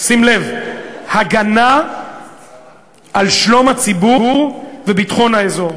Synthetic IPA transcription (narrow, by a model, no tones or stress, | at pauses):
simle̞vhaɡana | alʃlo̞mhat͡sibuuʁvebitχo̞nhaezo̞ʁ